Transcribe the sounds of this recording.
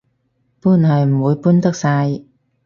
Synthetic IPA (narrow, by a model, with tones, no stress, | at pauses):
pu˥˩˨nhaː˨˩j̩˨˩wu˨˦jpu˥˨nt̪ə˥˩k̚saː˧j